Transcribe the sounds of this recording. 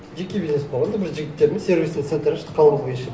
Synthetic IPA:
ʒekʲebʲizesbolˠʁɑnd̪əbɪɾʒɪɡʲɪt̪ːe̞ɾɪmezse̞ɾbʲisent̪sent̪ɾəʃt̪ə̥qʰɑlˠbəʁɑjʃe

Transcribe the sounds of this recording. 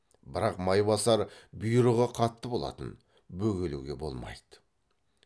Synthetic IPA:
bɪɾɑqmɑjbɑsɑɾbʊjɾəʁɑqʰɑt̪ːəbo̞lˠɑ̰t̪ə̰n | bɵɡʲe̞luɡʲe̞bo̞̰lˠmɑ̰jd̪̥ə̥

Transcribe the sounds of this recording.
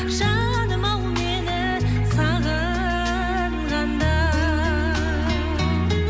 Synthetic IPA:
ʃɑ | nəmɑlˠmenɪ | sɑʁə | ʁɑnd̪ɑ

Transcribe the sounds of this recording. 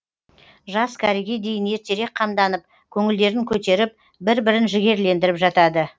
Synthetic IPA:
ʒɑskʲʰæɾeɡʲe̞d̪e̞jɪne̞ɾt̪e̞ɾe̞k̚qʰɑmd̪ɑnəp̚ | kʲʰɵŋɪld̪e̞ɾɪŋkʲʰɵt̪e̞ɾɪp̚ | bɪɾbɪɾɪnʒɪɡʲe̞ɾle̞nd̪ɪɾɪpʒɑt̪ɑd̪ə

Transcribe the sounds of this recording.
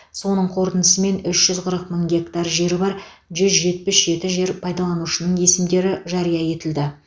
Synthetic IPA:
so̞nəɴqʰo̞ɾt̪ənəsəme̞nʏʃʒ̥ʏzqʰəɾəq̚məŋɡʲe̞kt̪ɑɾʒe̞ɾɪbɑɾ | ʒʏzʒe̞t̪̚pɪsʒ̥e̞t̪ɪʒe̞ɾpʰɑjd̪ɑlˠɑnuʃənəɴje̞sɪmd̪e̞ɾɪʒɑɾijɑje̞t̪ɪld̪ɪ

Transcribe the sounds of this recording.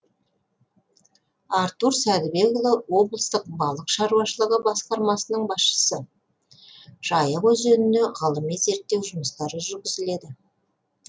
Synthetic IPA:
ɑɾt̪uɾsæd̪ɪbe̞ɡolˠɑwo̞blˠəst̪əq̚bɑlˠəqʃɑɾuwɑʃəlˠəʁəbɑsqɑɾmɑsənəɴbɑsʃə̥sə | ʒ̥ɑjəʁwɵzʒɵnɪne̞ʁɑlˠəmijze̞ɾt̪̚ːe̞wʒʊməst̪ɑɾəʒʏɾɡʲɪzɪle̞d̪ɪ

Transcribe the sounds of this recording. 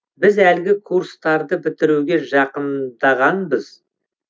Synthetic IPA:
bɪzælɡʲɪkʰuɾst̪ɑɾd̪əbɪt̪ɪɾuɡʲe̞ʒɑqənd̪ɑʁɑnbəz̥

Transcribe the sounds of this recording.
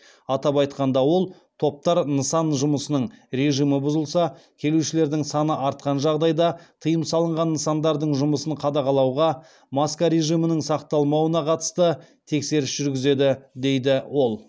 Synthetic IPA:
ɑt̪ɑpɑjt̪qɑnd̪ɑwo̞lˠ | t̪ʰo̞p̚t̪ɑɾnəsɑnʒʊməsənəɴɾe̞ʒijməbʊzəlˠsɑkʲʰe̞luwʃɪle̞ɾd̪ɪŋsɑnəʔɑɾt̪̚qɑnʒɑʁd̪ɑjd̪ɑt̪ʰəjəmsɑlˠəɴʁɑnːəsɑnd̪ɑɾd̪əɴʒʊməsəɴqʰɑd̪ɑqʰɑlˠɑwʁɑ | mɑskaɾe̞ʒijmɪnɪŋsɑqt̪ɑlˠmɑwənɑqʰɑt̪ə̥st̪ət̪ʰe̞kse̞ɾɪsʒ̥ʏɾɡʲɪze̞d̪ɪd̪e̞jd̪ɪwo̞lˠ

